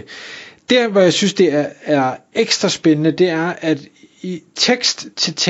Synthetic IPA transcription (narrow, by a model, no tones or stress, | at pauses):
d̥æɐʋɒjɑ̈ɪsynsd̥e̝æɐeɡ̥sd̥ʁɐsb̥enənəd̥e̝æɐʔæd̥ | it͡sʰeɡ̥sd̥t͡sʰe̝lt͡sʰ